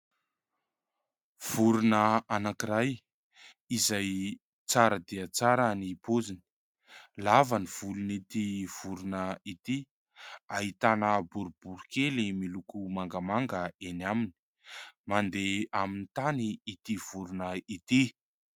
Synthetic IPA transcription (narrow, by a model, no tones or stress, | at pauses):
v̥uɾunəanakiɾaj | izaj | t͡saɾəd̪eət͡saɾanipozini̥ | lavaniv̥ulunit̪iv̥uɾunəit̪i | aɦit̪anəbuɾub̥uɾukelimilukumaŋɡamaŋɡəenamini̥ | mand̪eaminit̪aniːt̪iv̥uɾunəit̪i